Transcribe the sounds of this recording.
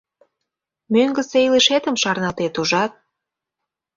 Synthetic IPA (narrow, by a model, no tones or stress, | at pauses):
møŋɡə̆sejliʃet̪ə̆mʃɑrnɑlt̪et̪uʒɑt̪̚